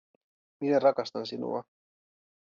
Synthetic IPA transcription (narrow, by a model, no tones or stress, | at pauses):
minerɑkɑst̪ɑnsinṵɑ̰